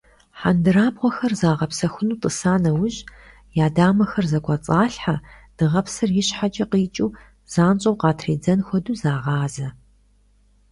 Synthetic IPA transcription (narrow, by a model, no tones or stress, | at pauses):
ħandɨraːbʁʷɔxɐrzaːʁɐpsɐxʷʊnuːtʼɨsaːnɐwʊʑ | jaːdaːmɐxɐrzɐkʷʰʼɐt͡sʼaːɬħad̥ɨʁɐpsɨrjɪɕħat͡ʃʼɐqiːt͡ʃʼuː | z̥aːnt͡ʃʼɐwqɑːtʰriːd͡zɐnxʷɔduːzaːʁɑːzɐ